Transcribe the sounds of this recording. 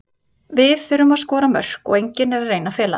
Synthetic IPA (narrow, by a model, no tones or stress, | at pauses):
vɪðfɪːɾʏmaðskɔːɾamœ̰r̥kɔ̰ɣejɲcɪnɛɾareːjnafɛːla̰